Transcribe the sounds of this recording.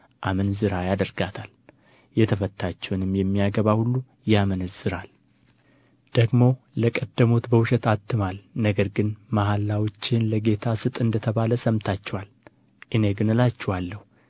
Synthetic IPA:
ʔamənzɨɾajad̪əɾɡat̪ʰal | jɛt̪ʰəfət̪ʰːat͡ʃːɛwnɨmjɛmːijaɡəβahulːu | jamənɨzɨɾal | d̪̥əɡmo̞ | ləkʼəd̪ːəmot̪bəwʊʃɛt̪at̪ːɨmalnəɡəɾɡɨnmahalːawot͡ʃːenləɡe̞t̪ʰasɨt̪ʼɨnd̪ət̪ʰəβaləsəmt̪ʰat͡ʃːɛwal | ʔɨneɡɨnɨlat͡ʃːɛwalːəhu

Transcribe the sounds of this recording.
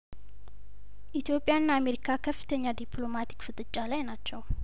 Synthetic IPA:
ʔit̪ʰjo̞pʼːjaɨnːame̞ɾikʰakʰəfːɨ̥t̪ʰəɲːad̪iplo̞mat̪ʰi̥kfɨt̪ʼɨt͡ʃʼːalajnat͡ʃːɛw

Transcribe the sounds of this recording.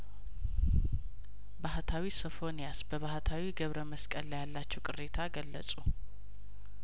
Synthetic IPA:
baɦt̪ʰawisəfo̞nijasbəβaɦt̪ʰawiɡəβɾəməskʼəlːjalːat͡ʃːɛwkʼɨrːet̪ʰaɡəlːəsʼu

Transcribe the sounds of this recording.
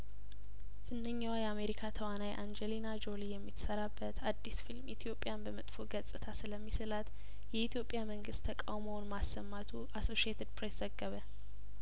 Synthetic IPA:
z̥ɨnːəɲːawajɛameɾikʰat̪ʰəwanajʔand͡ʒɛlinad͡ʒo̞lijɛmːit̪səɾabːət̪ʰad̪ːisfilmit̪ʰijo̞pʼːjanbəmət̪ʼfo̞ɡəsʼɨt̪ʰasɨləmːisɨlat̪ | jɛit̪ʰijo̞pʼjaməŋɡɨst̪ʰːəkʼawmownmasːəmːat̪ʰuʔaso̞ʃiet̪ʰed̪pʰɾeszəɡːəβə

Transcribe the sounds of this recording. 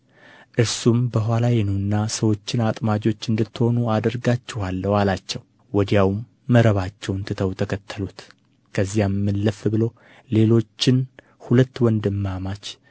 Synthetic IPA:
ʔɨɾsumbəɦʷalajɛnunːasəwo̞t͡ʃːɪnat̪ʼmad͡ʒo̞t͡ʃːɨnd̪ɨt̪ːho̞nuad̪əɾɡat͡ʃːɛhalːəwalat͡ʃːɛw | wɔd̪jawmː | əɾəβat͡ʃːɛwnt̪ʰɨt̪ʰəwt̪ʰəkʰət̪ʰːəlut̪ | kʰəzːijamːɨlːəfbɨlo̞ | le̞lo̞t͡ʃːɪn | hulət̪ːwɔnd̪ɨmːamat͡ʃ

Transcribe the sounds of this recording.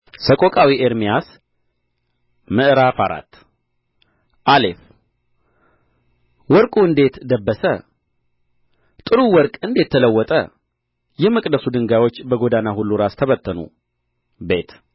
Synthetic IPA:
səkʼokʼawiʔeɾmijas | mɨʔɨɾafaɾa̰t̪ː | ʔalef | wɔɾkʼuɨnd̪e̞t̪d̪əbːəsə | t̪ʼɨɾuwɔɾkʼɨnd̪e̞t̪ʰːələwːɔt̪ʼə̰ | jɛməkʼd̪əsud̪ɨŋɡajwo̞t͡ʃːbəɡo̞d̪anahulːuɾast̪ʰəβət̪ʰːənṵ | be̞t̪

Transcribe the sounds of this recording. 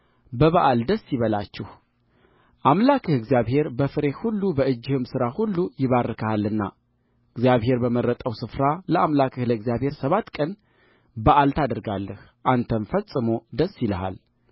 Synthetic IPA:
bəβaʔald̪əsːiβəlat͡ʃːɛh | ʔamlakʰɨhɨɡzijaβhe̞ɾbəfɨɾe̞hulːubəɨd͡ʒːɪhɨmsɨɾahulːujɪβarəkʰəhalːɨnːa̰ | ɨɡzjaβhe̞ɾbəməɾːət̪ʼəwsɨfɾaləʔamlakʰɨhləɨɡzjaβhe̞ɾsəβat̪ːkʼən | baʔalt̪ʰad̪əɾɡalːəh | ʔant̪ʰəmfəsʼɨmo̞d̪əsːiləha̰l

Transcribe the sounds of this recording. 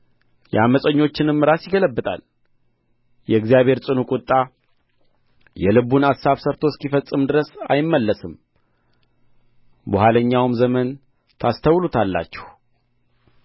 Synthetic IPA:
jɛaməsʼəɲːo̞t͡ʃːɪnɨmːɾasjɪɡələbːɨt̪ʼa̰l | jɛɨɡzijaβhe̞ɾt͡sʼɨnukʼʊt̪ʼːa | jɛlɨβunasːaβsəɾt̪ʰoskifəsʼːɨmd̪ɨɾəsa̰jɪmːəlːəsɨm | buhaləɲːawmzəmən | t̪ʰast̪ʰəwlut̪ʰalːa̰t͡ʃːɛ̥h

